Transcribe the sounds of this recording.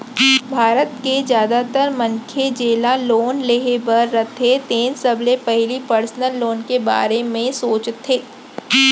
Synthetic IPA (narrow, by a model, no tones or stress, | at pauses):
bʱaːɾət̪kezjaːd̪at̪əɾmɐ̃ŋkʰed͡ʒeːlaloːnleɦebəɾːɐt̪ʰet̪eːnsɐblepɛɦɪlipəɾsnəlːoːnkeba̰ːɾemẽsoːt͡ʃt̪ʰːeː